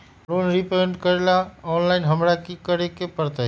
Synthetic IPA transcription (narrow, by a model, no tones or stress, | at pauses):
ɾonɾipeɳɖkəɾelaɔnlaɪnɦəmɾakikəɾekepəɾt̪əɦ